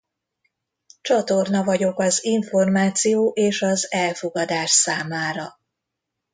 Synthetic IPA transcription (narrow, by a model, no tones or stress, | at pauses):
t͡ʃɒt̪o̞rnɒvɒɟo̞kɒziɱfo̞rmaːt̪sijoːʔeːʃɒzɛlfo̞ɡɒd̪aːʃsaːmaːɾɒ